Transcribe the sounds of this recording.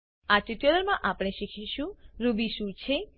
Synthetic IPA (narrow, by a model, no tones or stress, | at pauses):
at͡ʃit̪jələɾmãʔapɽ̃eʃikʰiʃũɾubiʃũt͡ʃʰe